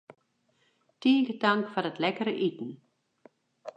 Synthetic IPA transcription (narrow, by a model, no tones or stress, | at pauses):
tiːɡədaŋkfɔrətlɛkəɾəʔitn̩